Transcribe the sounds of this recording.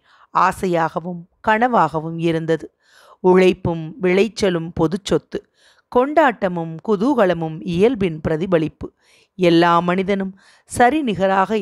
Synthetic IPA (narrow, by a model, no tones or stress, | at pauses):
aːsɐjaːɣɐʋɯmkɐɳɐʋaːɣɐʋɯmɪɾɯnd̪ɐðɯ | ʊɻɐɪpːɯmʋɪɭɐɪt͡ʃːɐlɯmpɔðɯt͡ʃːɔt̪ːɯ | kɔɳɖaːʈːɐmɯmkʊðuːɣɐɭɐmɯmɪjɐlbɪnpɪɾɐðɪbɐɭɪpːɯ | ɛlːaːmɐnɪðɐnɯm | sɐɾinɪɣɐɾaːɣɐ